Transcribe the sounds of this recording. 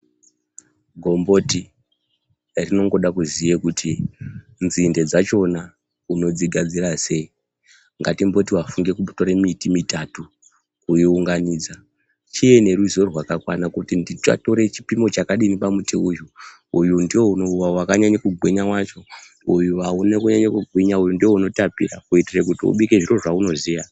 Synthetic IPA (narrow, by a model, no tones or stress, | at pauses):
ɡʱo̞mbo̞ti | rino̞ŋɡo̞ɗakuzijekutʰi | nzinded͡zat͡ʃo̞na | uno̞d͡ziɡʱad͡zirase̞i | ŋɡatimbo̞tiwafuŋɡe̞kuto̞ɾemitimitatu | kujiuŋɡaniːd͡za | t͡ʃije̞ne̞ruzo̞rwakakwa̰nakutindita̰to̞ɾe̞t͡ʃi̥pimo̞t͡ʃakaɗinipamutiuju | ujundiwo̞unowawakaɲaɲekuɡʱwiɲawat͡ʃo̞ | ujuaunekuɲaɲekuɡʱwiɲaujundiwo̞uno̞tapḭrakuitirek̬utiṵɓike̞ʐiro̞ʐauno̞zija